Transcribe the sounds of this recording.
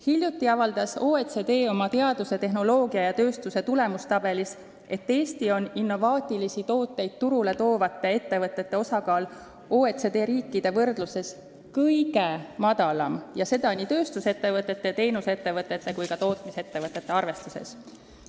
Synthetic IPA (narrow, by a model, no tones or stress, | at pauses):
hilʲjut̪ːˑiɑvɑld̪̥ɑso̞ːet̪se̞d̪e̞ːo̞mɑt̪e̞ɑd̪use̞t̪e̞ɦno̞lo̞ːɡiɑjɑt̪ø̞ːst̪use̞t̪ule̞must̪ɑb̥e̞lis | e̞t̪ːe̞ːst̪io̞ninːo̞vɑːt̪ʲːˑilisit̪o̞ːt̪ːe̞jd̪̥̚t̪uɾule̞t̪o̞ːvɑt̪ːˑee̞t̪ːe̞vɤt̪ːˑe̞t̪ːe̞o̞sɑkɑːl | oːet̪sed̪e̞ːɾiːkːˑid̪̥e̞vɤrd̪̥luse̞s | kɤjɡe̞mɑd̪̥ɑlɑmjɑse̞d̪ɑniːt̪ø̞ːst̪use̞t̪ːe̞vɤt̪ːˑe̞t̪ːe̞t̪e̞jnuse̞t̪ːe̞vɤt̪ːˑe̞t̪ːe̞kujkɑt̪o̞ːt̪mise̞t̪ːe̞vɤt̪ːˑe̞t̪ːe̞ɑrve̞st̪usḛs